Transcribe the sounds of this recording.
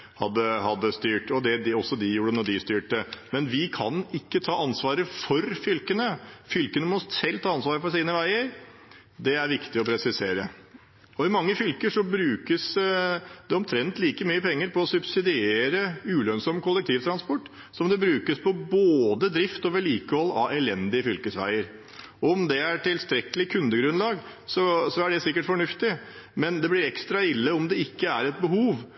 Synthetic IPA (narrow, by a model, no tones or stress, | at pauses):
hɑ̰d̪ːəhɑd̪ːəst̪yːʈɔd̪ɛd̪ɪɔsːɔd̪ɪjuːɖənɔɖɪst̪yːʈəmɛnʋɪkʰɑ̰nɪkːət̪ʰɑːɑnsʋɑːɾəfɔɾfʏlkənəfʏlkənəmɔsɛlt̪ʰɑːɑnsʋɑːɾəfɔʂiːnəʋæɪəɾ | d̪ɛæɾʋɪkt̪ɪɔpʰɾɛsɪseːɾə | ɔɪmɑŋːəfʏlkəʂɔbɾʉːkəs | d̪ɛɔmt̪ʰɾɛnt̪liːkəmyːəpʰɛŋːəɾpɔɔsʉbsɪd̪ɪeːɾəʉːlœnsɔmkʰʊlːɛk̚t̪ʰiːʋt̪ʰɾɑnspɔʈː | sɔmd̪ɛbɾʉːkəspʰɔboːd̪əd̪ɾɪft̪ɔʋɛliːkəhɔlːɑ̰ɛlɛnd̪ɪəfʏlkəsʋæ̰ɪəɾ | ɔɔɔmd̪ɛæʈɪlst̪ɾɛkəlɪkʰʉnd̪əɡɾʉnlɑːɡ | sɔsɔæɖɛsɪkːəʈfɔɳʉft̪ɪ | mɛnd̪ɛblɪɾɛkst̪ɾɑɪlːəɔmd̪ɛɪkːəæɾɛt̪̚bəɦuːʋ